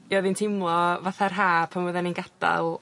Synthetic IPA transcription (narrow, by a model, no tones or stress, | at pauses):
jɔðintʰɪmlˠɔvaθarɦaːpʰamwəðɛninɡad̥a̰lˠ